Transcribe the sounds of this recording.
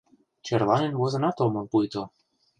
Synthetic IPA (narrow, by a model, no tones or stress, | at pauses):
t͡ɕerlˠɑnenβozɤ̆nɑt̪omɤ̆mpujt̪o